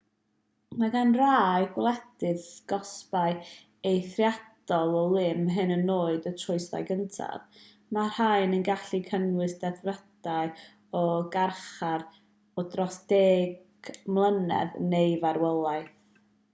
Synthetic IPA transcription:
maɡanraːɨɡwlˠɛd̥ɨðɡ̥ɔspaɨ | ejθrjad̥ɔlˠɔlˠɪmɦɨnənːoːɨdətʰrʊɨsa̰jɡəntʰa̰ð | mar̥haɨnənɡaɬikʰənwɨsd̥ɛθrəd̥aɨ | ɔɡarχaɾ | ɔdrɔsd̥eːɡ̥ | mlˠənɛ̰ðnejvaɾwɛlˠajθ

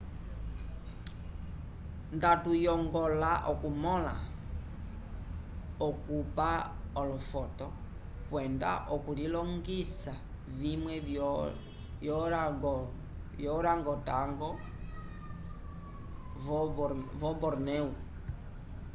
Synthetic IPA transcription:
ndatujɔŋɡɔlaʔɔkumɔla̰ | ɔkupa | ɔlɔfɔtɔ | kwɛnda̰ʔɔkulilɔŋɡisa | vimwɛ | jɔɾɡ | jɔɾaŋɡɔtaŋɡɔ | vɔbɔɾnɛu

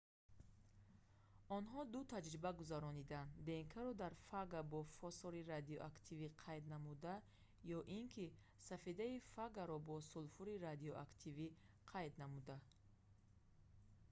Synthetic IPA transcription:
ɔnɦɔd̪ut̪ʰad͡ʒɾibaɡuzaɾɔnid̪and̪b̪e̞ŋkʰaɾɔd̪aɾfaɡabɔfɔsɔɾiɾad̪iɔʔakt̪ʰiviqʰajd̪namud̪a | jɔʔiŋkʰi | safid̪aifaɡaɾɔbɔsulfuɾiɾad̪iɔʔakt̪ʰivi | qʰajd̪namud̪a

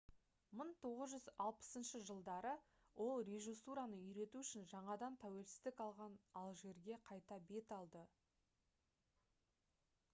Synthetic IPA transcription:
məɴt̪ʰo̞ʁəzʒʏzɑlˠpə̥sənʃəʒəlˠd̪ɑɾə | wʔo̞lˠɾe̞ʒisuɾanəʏjɾe̞t̪uʏʃɪnʒɑɴɑd̪ɑnt̪ʰæwe̞lsɪ̥zd̪ɪkɑlˠʁɑnɑlˠʒe̞ɾɡʲe̞qʰɑjt̪ɑbe̞t̪ɑlˠd̪ə

